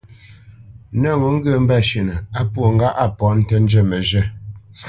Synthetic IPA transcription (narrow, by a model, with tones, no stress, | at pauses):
nə˦˨ŋu˨˦ŋ̩˦ɡə˦˨m̩˦ba˦˨ʃə˨nə˨a˦pwo˨ŋ̩˦ɡa˦ʔa˨pɔ˨˦n̩˦tə˦n̩˦d͡ʒə˦˨mə˨ʒə˦˨